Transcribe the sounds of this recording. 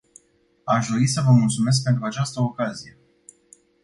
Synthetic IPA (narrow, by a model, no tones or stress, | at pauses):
aʃd̪o̞ɾisəvəmult̪sume̞s̬k̚pe̞nt̪̬ɾuat͡ʃast̪əokazije̞